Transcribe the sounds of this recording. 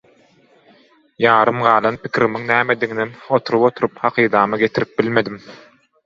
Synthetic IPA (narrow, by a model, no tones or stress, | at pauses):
jɑːɾɯmɢɑːlˠɑnpi̥kʲʰiɾimiŋnæːmed̪iŋnemo̞t̪ʰuɾupo̞t̪ʰuɾuphɑqʰiːd̪ɑːmɯɡe̞t̪ʰiɾip̚bilme̞d̪im